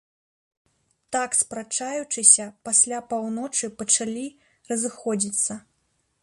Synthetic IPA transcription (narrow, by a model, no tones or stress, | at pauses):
t̪akspɾat͡ʂajut͡ʂɨsʲɐpasʲlʲapawnɔt͡ʂɨpɐt͡ʂalʲi | rɐzɨxɔd͡zʲit̪sːɐ